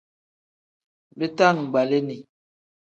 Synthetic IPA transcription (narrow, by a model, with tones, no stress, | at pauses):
be˦ta˦˨ŋ̩˨ɡ͡ba˨le˦ni˨